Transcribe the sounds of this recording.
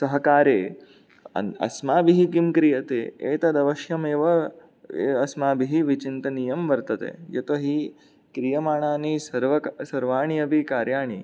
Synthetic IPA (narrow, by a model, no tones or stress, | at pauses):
sɐɦɐkaːɾeː | ɐ̰ɐ̰smaːbiɦikimkɾijɐt̪eːḛːt̪ɐd̪ɐʋɐʃjɐmeːʋɐ | ɐsmaːbiɦiʋit͡ʃint̪ɐniːjɐmʋɐɾt̪ɐt̪ḛːjɐt̪oɦi | kɾijɐmaːɳaːnisɐɾʋɐsɐɾʋaːɳijɐbʱikaːɾjaːɳ̃i